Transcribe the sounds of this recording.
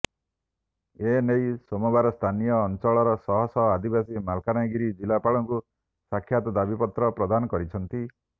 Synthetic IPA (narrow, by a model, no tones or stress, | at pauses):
enejsomɔbaɾɔst̪ʰanijɔːnt͡ʃɔɭɔɾɔsɔɦɔsɔad̪ibasimalkanajɡiɾid͡ʒilapaɭɔŋku | sakʰjat̪ɔd̪abipɔt̪ɾɔpɾɔd̪anɔkɔɾit͡ʃʰɔnt̪i